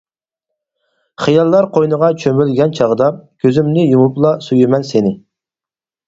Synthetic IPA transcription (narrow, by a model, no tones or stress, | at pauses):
χijɑlˠːɑɾqʰojnəʁɑt͡ʃʰømylɡʲɛnt͡ʃʰɑʁəd̪ɑkʲʰøzymnɪjumuplˠɑsujymɛnsenɪ